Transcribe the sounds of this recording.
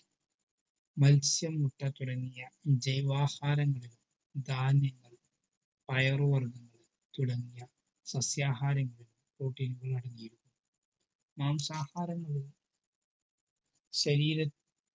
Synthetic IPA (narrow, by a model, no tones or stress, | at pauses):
mɐlsjɐmːuʈːɐt̪uɽɐŋːijɐd͡ʑɐjʋaːhaːɾɐŋːɐɭilum | d̪aːnjɐŋːɐɭ | pɐjɐrʋɐrd̪ɐŋːɐɭ | t̪uɽɐŋːijɐ | sɐsjaːɦaːɾɐŋːɐɭilumkoːʈːinuɣɐɭɐɽɐŋːijiɾukːum | maːmsaːhaːɾɐŋːɐɭi | ɕɐɾiːɾɐ